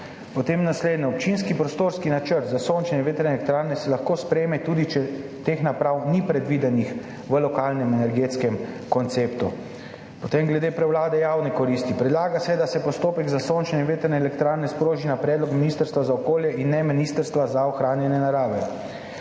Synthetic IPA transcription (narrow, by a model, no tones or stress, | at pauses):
pɔt̪eːmnasleːd̪nɛɔp̚t͡ʃinskipɾɔst̪oːɾskinat͡ʃəɾt̪zasont͡ʃnɛʋeːt̪ɛɾnɛlɛk̚t̪ɾaːɾnɛsɛlaxkoːspɾemɛt̪uːd̪it͡ʃɛt̪exnapɾawnipɾɛd̪ʋiːd̪ɛnix | ʋəlɔkaːlnɛmɛnɛɾɡeːt̪skɛm | kɔnt̪seːpt̪u | pɔt̪emɡlɛd̪eːpɾɛwlaːd̪ɛjaːwnikɔɾist̪ipɾɛd̪laːɡasɛd̪asɛpɔst̪oːpɛɡzasoːnt͡ʃɛnɛʋeːt̪əɾnɛːlɛkt̪ɾaːɾnɛspɾoːʒinapɾɛd̪lɔkminist̪əɾst̪ʋazaɔkoːljɛʔinːɛminist̪əɾst̪ʋazaɔxɾaːnjɛnɛnaɾaːʋɛ